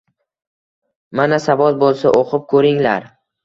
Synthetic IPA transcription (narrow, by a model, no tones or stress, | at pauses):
manasavɒzbolˠsaʔoqʰɨp̚kʰɵɾɪŋlaɾ